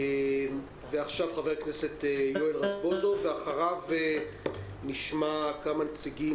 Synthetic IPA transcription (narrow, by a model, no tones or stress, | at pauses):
veaχʃavχave̞ʁknese̞tejoelʁasbozoveaχaʁave | niʃmakamanet͡siɡi